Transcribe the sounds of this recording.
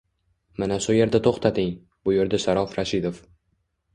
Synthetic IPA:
manaʃʊje̞ɾd̪at̪ʰoχt̪ʰat̪ɪŋ | bʊje̞ɾd̪aʃaɾɒfɾaʃɪd̪of

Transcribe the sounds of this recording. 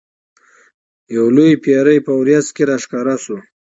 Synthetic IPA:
jawlojpjɑɾəjpəwɾjaskeɾaʃkɑɾasu

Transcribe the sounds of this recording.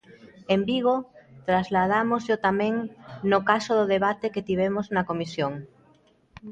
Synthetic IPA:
embiɣ̞ot̪ɾazlað̞amozʎot̪amɛ̃ŋnʊkasoðʊðeβat̪eket̪iβ̞ɛmoznɐkomisjoŋ

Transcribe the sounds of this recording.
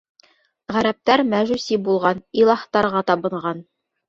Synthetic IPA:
ʁæɾæp̚t̪æɾmæʒʉsibulˠʁɑnilˠɑχt̪ɑɾʁɑt̪ɑbɤ̆ɴʁɑn

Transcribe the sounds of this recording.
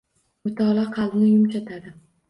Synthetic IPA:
mʊt̪ʰɒlaqʰɑlnɪjʊmt͡ʃat̪ʰad̪ɪ

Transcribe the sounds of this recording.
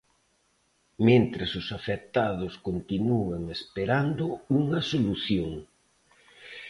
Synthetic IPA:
ment̪ɾasʊsafek̚t̪aðʊskont̪inueŋespeɾand̪ʊuŋɐsoluθjoŋ

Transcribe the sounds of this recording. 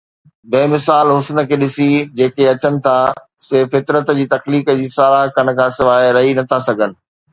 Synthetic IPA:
beːmɪsaːlɦʊsnə̆kʰeːɗɪsid͡ʑeːkeɐt͡ɕənɪ̆t̪ʰa | sefɪt̪ɾət̪d͡ʑiːt̪ɐxliːkəd͡ʑiːsaːlaɦkɐn̆kʰãːsɪʋaːɦɾɐɦinɐt̪ʰasɐɡʱənɪ̆

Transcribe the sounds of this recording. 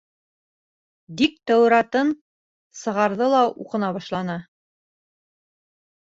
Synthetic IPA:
dik̚t̪æwɾɑt̪ɤn | sɤ̆ʁɑɾðɤlˠɑṵqɤ̆nɑβɑʃlˠɑnɤ

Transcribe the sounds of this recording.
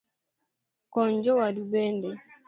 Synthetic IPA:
kɔɲd͡ʒɔwadubɛndɛ

